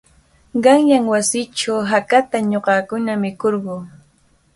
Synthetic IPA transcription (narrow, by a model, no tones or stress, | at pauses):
ɢɑŋjaŋwasɪt͡ʃawɦakat̪aɲoqɑkʊnamɪkoɾɢoː